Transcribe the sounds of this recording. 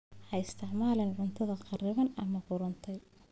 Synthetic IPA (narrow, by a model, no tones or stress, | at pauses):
ħɑɪst̪ʰɪʕmaːlɐnʕʊnt̪ʰɐðɐqɑrɪβɐnɐmɐfʊɾʊnt̪ʰɛj